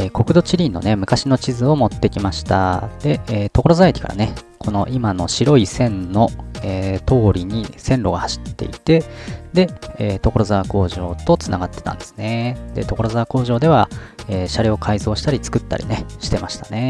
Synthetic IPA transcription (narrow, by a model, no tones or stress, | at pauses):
eːko̞kɯ̟d̪o̞t͡ɕiɾʲinːo̞̰ne̞mɯ̟kaɕino̞t͡ɕizɨo̞mo̞t̪ːe̞kʲimaɕi̥t̪a̰d̪̥e̞eːt̪o̞ko̞ɾo̞zaetʲi̥ka̰ɾa̰nekʰo̞no̞ʔimano̞̰ɕiɾo̞isẽ̞nno̞eːt̪o̞ːɾʲiɲ̟isẽ̞nɾo̞ɡahaɕi̥t̪ːe̞̰it̪e̞d̪e̞eːt̪o̞ko̞ɾo̞zaβako̞ːʑo̞ːt̪o̞t͡sɨnaɡat̪ːe̞t̪ã̰nd̪e̞sɨ̥ned̪e̞̰t̪o̞ko̞ɾo̞zaβako̞ːʑo̞ːd̪e̞β̞aeːɕaɾʲoːkʰaizo̞ːɕi̥t̪aɾʲit͡sɨ̥kɯ̟t̪ːa̰ɾʲḭneɕi̥t̪e̞maɕi̥t̪ane̞